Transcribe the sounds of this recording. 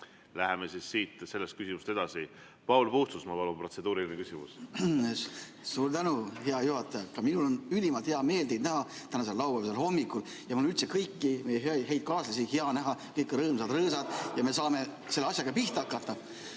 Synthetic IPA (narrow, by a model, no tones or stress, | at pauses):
læhemesisːiːt̪se̞lːest̪̚kysimust̪e̞d̪ɑsi | pɑulpuht̪susmɑpɑlumpro̞se̞d̪uːɾilʲinekysʲimṵs | suːɾt̪ænuɦe̞ɑjuhɑt̪ːˑɑjɑkɑminulo̞nylʲimɑlt̪heɑme̞ːld̪e̞jd̪næɦɑt̪ænɑselːɑwbɑmselho̞mːikul | jɑmɑlnylt̪sekɤjkːime̞jeɦeɑjɦe̞jd̪̥̚kɑːslɑsiheɑnæɦɑkɤjkːɾɤːmsɑd̪rɤːsɑd̪̥jɑme̞s̬ɑːme̞ | se̞lːeɑsʲjɑɡɑpiht̪ɑkːˑɑt̪ːˑɑ